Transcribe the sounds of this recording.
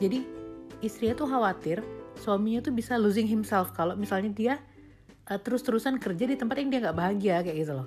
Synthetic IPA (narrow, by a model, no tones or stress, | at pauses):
d͡ʒadiist̪ɾiɲat̪uɦawat̪ɪrswamiɲat̪ubisaluzɪŋɦɪmsɛlfkalomisalɲadia | ʔət̪əɾʊst̪əɾusankərd͡ʒadit̪əmpat̪jaŋdiaŋɡaʔbaɦaɡiakajaʔɡit̪ulɔ